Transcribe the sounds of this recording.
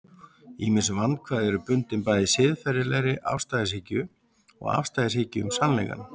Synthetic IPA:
iːmɪnsvanːkʰvaːðɛɾʏpʏnt̪ɪnpaːjðɪsɪðfɛjɾɪlɛjɾɪʔa̰fst̪ajðɪshɪcʏ | ɔ̰ɣa̰fst̪ajðɪshɪcʏʏmsanlɛ̰jka̰n

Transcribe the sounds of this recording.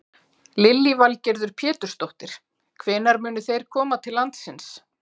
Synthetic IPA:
lɪlːivalcɛɾðʏɾ̥pʰjɛːt̪ʏ̥ɾ̥st̪owht̪ɪɾ̥ | kʰvɪnaɾmʏːnʏθejɾ̥kʰɔːmat̪ʰɪlːant̪sɪns

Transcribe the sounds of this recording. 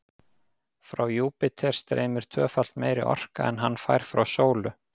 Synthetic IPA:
fɾawjuːpɪt̪ʰɛr̥st̪ɾḛːjmʏɾ̥t̪ʰœːfal̥t̪meːjɾɪ̰ʔɔ̰r̥ka̰ɛnɦanːfajɾ̥fɾawsoːwlʏ

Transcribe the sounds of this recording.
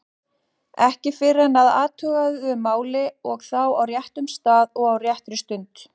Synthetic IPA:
ɛhcɪfɪɾanaða̰ːt̪ʰœːɣaðʏʏmːaːwlɪɔɣθawawrjɛht̪ʏmst̪aːðɔɣawrjɛht̪ɾʏst̪ʏnt̪

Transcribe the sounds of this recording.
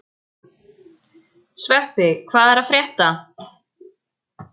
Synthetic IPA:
svɛpɪkʰvaːðɛɾaðfɾɛːht̪a

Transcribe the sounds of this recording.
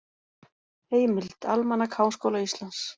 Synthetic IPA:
eːjmɪlt̪almanːakʰaːwnskowlaist̪lans

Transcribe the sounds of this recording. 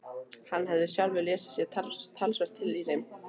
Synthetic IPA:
hanːɦɛvðʏsjawlvɪlɛːsɪ̥sjɛt̪ʰat̪ʰːalsvɛr̥t̪ʰɪliθejm

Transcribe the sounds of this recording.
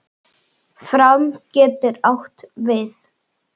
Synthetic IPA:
fɾawmcɛːt̪ɪɾawht̪vɪθ

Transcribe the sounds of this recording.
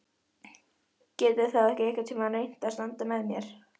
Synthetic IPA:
cɛːt̪ɪθaðɛhcɪɛhkvḁt̪ʰɛmaðnejn̥t̪aðst̪ant̪amɛðmjɛɾ̥

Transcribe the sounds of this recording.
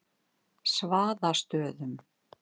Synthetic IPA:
svaːðast̪œːðʏm

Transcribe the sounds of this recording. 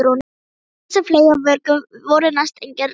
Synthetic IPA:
ɾon | safleːjavœɾkʏvɔɾʏnast̪ejŋcɛɾ

